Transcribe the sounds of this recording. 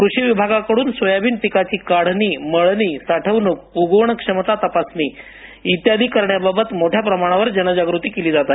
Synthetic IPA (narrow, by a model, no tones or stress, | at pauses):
kɾuʂiʋibʱaɡakəɽuːnsʋəjabiːnpikat͡ɕiːkaɽ̤niːməɭniːsaʈʰəʋnuk̚uɡəʋɳəkʂəmt̪at̪əpasniː | it̪jad̪ʱiːkəɾɳjababət̪moʈʰjapɾəmaɽ̃aʋəɾd͡ʑənəd͡ʑaɡɾut̪iːkeliːd͡zat̪a